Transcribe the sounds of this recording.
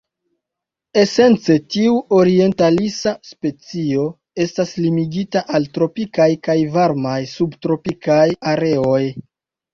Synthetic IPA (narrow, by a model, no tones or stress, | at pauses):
e̞se̞nt͡se̞tiuo̞ɾie̞ntalisaspe̞t͡sio̞ | e̞staslimiɡitaʔaltɾo̞pikajkajvaɾmajsubtɾo̞pikajaɾe̞o̞j